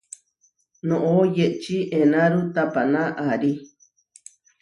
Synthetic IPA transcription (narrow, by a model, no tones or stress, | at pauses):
nõʔojeʔt͡ʃiʔenãɾut̪apanãʔaɾi